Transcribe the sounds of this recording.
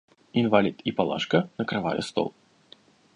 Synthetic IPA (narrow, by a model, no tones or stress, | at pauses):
invalʲit̪ipalˠa̰ʂkɐnɐkɾava̰jɛ̰st̪ɔ̰lˠ